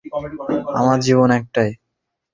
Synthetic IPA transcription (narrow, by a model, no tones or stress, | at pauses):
amaɾd͡ʑiβonɛk̚ʈaj